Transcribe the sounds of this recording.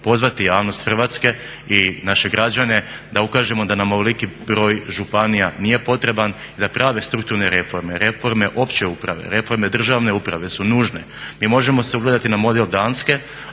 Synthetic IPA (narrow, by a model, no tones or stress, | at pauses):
po̞zʋat̪ijaːʋno̞st̪xr̩ʋat̪ske̞ | inaʃe̞ɡɾad͡ʑane̞d̪aukaːʒe̞mo̞d̪anamo̞ʋelikibɾo̞ːjʒupanijanije̞po̞t̪ɾe̞ban | id̪apɾaːʋe̞st̪ɾuk̚t̪uɾne̞ɾe̞fo̞ɾme̞ɾe̞fo̞ɾme̞ʔo̞pt͡ɕe̞upɾa̰ʋe̞̰ɾe̞fo̞ɾme̞d̪r̩ʒaʋne̞upɾaʋe̞sunuːʒne̞ | miːmo̞ʒe̞mo̞se̞uɡled̪at̪inamo̞d̪eld̪aːnske̞